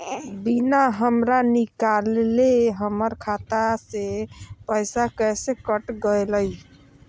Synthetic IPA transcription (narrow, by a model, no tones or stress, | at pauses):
binaɦəmɾanikaleɦəməɾkʰat̪asepəjsakəjsekəʈɡəjləj